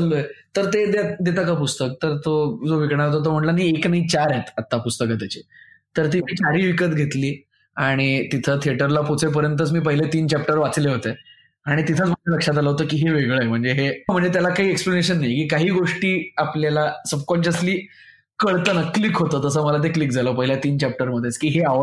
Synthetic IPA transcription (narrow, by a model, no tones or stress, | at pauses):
əlːoet̪əɾt̪ed̪ad̪et̪akapust̪ək̚t̪əɾt̪od͡zoʋikɳ̃aɾɦt̪̬ot̪̬om̤əɳlanaieknaɦit͡ɕaɾɦet̪at̪ːapust̪əkət̪jat͡ɕet̪əɾt̪iiːt͡ɕaɾiːʋikət̪ɡʱet̪liː | aɽ̃it̪it̪ʰət̪ʰieʈəɾlapot͡sʰep̬əɾjənt̪ət͡smiːpəɦilet̪iːnt͡ɕæp̚ʈəɾʋat͡sleɦot̪e | aɽ̃it̪it̪ʰət͡sm̤əɳd͡zeləkʂat̪̬aləɦot̪əkiːɦeʋeɡɭəem̤əɳd͡zeɦem̤əɳd͡zet̪jalakaɦiːekspleneɕənːajkiːkaɦiːɡoʂʈiːapljalasəbkɔɳɕəsliː | kəɭt̪ənəklikɦot̪əːt̪əsəːməlat̪̬eklik̚d͡zʱaləːpəɦiljat̪iːnt͡ɕæp̚ʈəɾm̤əd̪ʱet͡skiːɦeaə